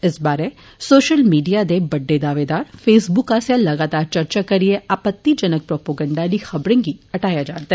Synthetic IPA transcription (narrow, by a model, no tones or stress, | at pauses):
ɪsbaːɾe | soːʃəlmiːɖijad̪ebɐɖːed̪aːʋeːd̪aːɾfeːsbʊkaːsjalɐɡaːt̪aːɾt͡ʃɐɾt͡ʃakɐɾieʔaːpət̪ːid͡ʒɐnək̚pɾoːpoːɡə̃ɳɖaːlixɐbɾẽɡiɐʈaːjad͡ʒaːt̪aɦɛ